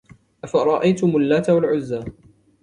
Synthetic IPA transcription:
ʔafaɾˤɑʔajt̪ʊmʊlːaːt̪awalʕʊzːaː

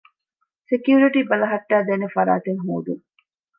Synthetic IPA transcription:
sekjuːɾiʈiːbɐlɐɦɐʈːæːd̪eːnefɐɾa̰ːt̪eŋɦo̰ːd̪ṵŋ

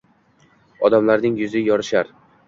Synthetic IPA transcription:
ɒd̪amlaɾnɪŋjʊzɪjɒɾɪʃaɾ

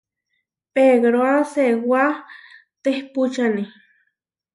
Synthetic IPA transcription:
peɡɾoaseɡwa | t̪ehput͡ʃani

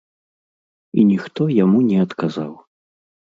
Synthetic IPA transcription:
inʲixt̪ɔjamunʲɛɐt̪kaza̰w

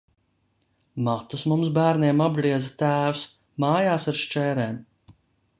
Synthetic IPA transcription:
mat̪usmums̬bæːɾniɛmabɡɾiɛdzat̪æːws | maːjaːsaɾʃt͡ʃɛːɾeːm

